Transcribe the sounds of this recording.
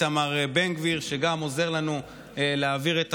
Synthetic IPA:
amaʁebeŋɡviʁʃeɡamo̞ze̞ʁlanu | leaviʁet̪

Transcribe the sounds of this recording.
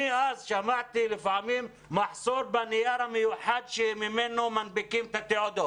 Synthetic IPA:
iʔazʃamaʕt̪ilɪfaʕmiːm | mɑħsˤuːɾbanijaɾamjuħad̪ʃimɪmɪnomanbɪkimt̪at̪ɪʕʊd̪o

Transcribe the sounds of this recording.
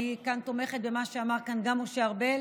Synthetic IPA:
ikant̪o̞me̞χet̪bemaʃeamaʁkanɡamoʃeaʁbe

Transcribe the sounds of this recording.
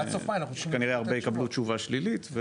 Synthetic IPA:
sofaanaχuʃkaniʁeaʁbejikablut͡ʃuvaʃlilit̪ve

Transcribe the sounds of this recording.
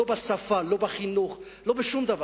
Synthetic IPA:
obasafalobaχinuχ | lo̞beʃumd̪ava

